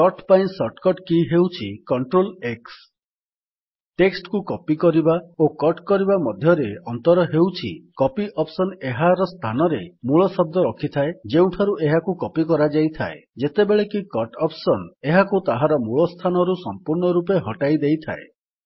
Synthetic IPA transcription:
kɔʈpaj̃nsɔʈkɔʈkiɦewt͡ʃʰikɔɳʈɾoleks | ʈeksʈkukɔpikɔɾibaokɔʈkɔɾibamɔd̪ʱjɔɾeɔnt̪ɔɾɔɦewt͡ʃʰḭkɔpiʔɔpsɔneɦaɾɔst̪ʰanɔɾemuɭɔsɔb̚d̪ɔɾɔkʰit̪ʰaed͡ʒeũʈʰaɾuʔeɦakukɔpikɔɾad͡ʒajt̪ʰaḛd͡ʒet̪ebeɭekikɔʈɔpsɔneɦakut̪aɦaɾɔmuɭɔst̪ʰanɔɾusɔmpuɾɳɔɾup̬eɦɔʈajd̪ejt̪ʰa̰e

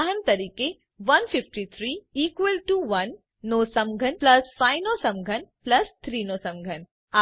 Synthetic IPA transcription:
aɦənt̪ɐɾiːke | ʋɐnfɪfʈit̪ʰɾiːiːkʋəlʈuʋɐnː | oːsɐ̃mɡʱənplɐsfaːɪnosɐ̃mɡʱənplɐst̪ʰɾiːnoːsɐ̃mɡʱən | a

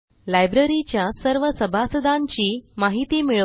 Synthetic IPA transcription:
lajbɾeɾit͡ɕjasəɾʋəsəbʱasəd̪ʱãɲt͡ɕiːmaɦit̪iːmiɭə

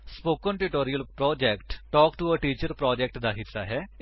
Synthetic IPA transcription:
spoːkə̃nʈuʈoːɾijəlpɾɔːd͡ʒɛːkʈʈɔːkʈuəʈiːt͡ʃəɾpɾɔːd͡ʒɛːk̚ʈd̪aːɦɪt̪ːaːɦɛː

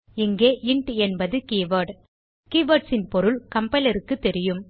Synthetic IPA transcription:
ɪŋɡeːʔɪɳʈɛnbɐðɯkiːʋɐʈ | kiːʋɐʈsɪnpɔɾɯlkɐmpɐlɐɾɯkːɯt̪ːɛɾɪjɯm

